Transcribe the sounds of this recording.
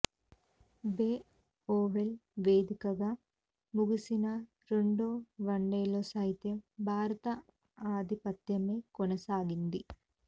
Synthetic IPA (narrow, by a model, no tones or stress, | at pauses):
beː | oːʋelʋeːd̪ʱikɐɡɐ | muɡusinɐ | ɾeɳɖoːʋɐɳɖeːlosɐːɦit̪jɐmbʱaːɾɐt̪ɐ | aːd̪ʱipɐt̪jɐme̞ːkoɔnɐsaːɡind̪i